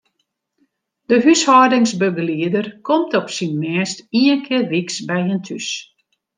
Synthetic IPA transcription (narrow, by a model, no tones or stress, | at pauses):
d̥əɦyshɔːdɪŋsbøɡəliədərkʰɔmtɔpsinmɛːstiənkʰɪərʋiksbɛjəntʰys